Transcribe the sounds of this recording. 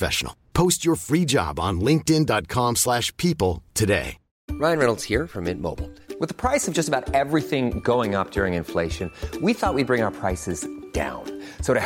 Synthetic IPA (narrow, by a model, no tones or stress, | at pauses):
fɛ̰ʃn̩l̩ˠpʰoʊst͡ʃə˞fɹid͡ʒɑ̰bn̩lɪ̃ŋk̚tɪ̃ndɑt̚kʰɑ̃mslæʃpʰipl̩ˠtʰɨdḛɪ | ɹaɪɨ̃nɹɛnl̩ˠdz̥hiɹfɹʌ̃mɪ̰̃nmo̰ʊbl̩ˠwɨðəpʰɹ̥aɪsʌvd͡ʒʌstəbaʊɾɛvɹiθɪ̃ŋɡoʊɪ̃ŋʌp̚d̥ʊɹɪ̃ŋɨ̃nfleɪʃɨ̃nwiθɔt̚wid̚bɹɪ̃ŋaʊə˞pʰɹ̥aɪsɨzd̥ã̰ʊ̃nsoʊɾɨ